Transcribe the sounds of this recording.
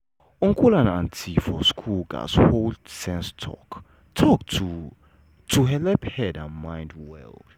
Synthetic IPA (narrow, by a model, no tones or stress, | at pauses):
ɔ̃ŋkulãnãntʰifɔskʰulɡa̰sholdsɛ̃nstʰɔ̰k | tʰɔktʰu | tʰuɦɛlɛphɛdãnmãj̃ndwɛ̰ld̥